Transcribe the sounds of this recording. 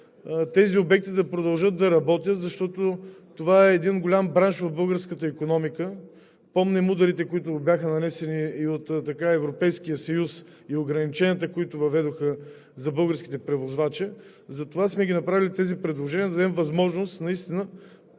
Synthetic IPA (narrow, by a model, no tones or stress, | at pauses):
t̪ɛziobɛk̚t̪id̪ɐpɾod̪ɐlˠʒɤt̪̚d̪ɐɾɐbɔt̪ʲjət̪zɐʃt̪ɔt̪ot̪ovaɛːd̪inɡolʲambɾanʃvovbɤlˠɡəɾskət̪əikonɔmikə | pɔmnɛmud̪ɐɾit̪ɛkoit̪ʊbʲjaxənɐnɛsɛniːot̪t̪ːɐkaɛvɾopɛjskijəsɐjus | ioɡɾɐnit͡ʃɛniət̪əkoit̪ʊvɐvɛd̪oxə | zɐbɤlˠɡəɾskʲi̥t̪ɛpɾɛvozvat͡ʃɛ | zɐt̪ovasmɛɡʲinɐpɾavilʲit̪ɛzipɾɛd̪lˠoʒɛnʲiəd̪ɐd̪ɛmvɐzmɔʒnost̪nɐist̪inə